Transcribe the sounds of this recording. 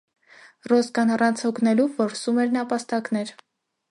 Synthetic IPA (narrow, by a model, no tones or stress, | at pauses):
rɔskɑnɑrɑnt͡sʰhɔkʰnɛluvːɔɾsumɛɾnɑpɑst̪ɑknɛɾ